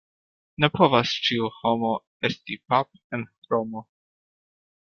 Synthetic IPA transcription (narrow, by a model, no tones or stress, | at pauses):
ne̞po̞vast͡ʃiuho̞mo̞ | e̞stipap̚enɾomo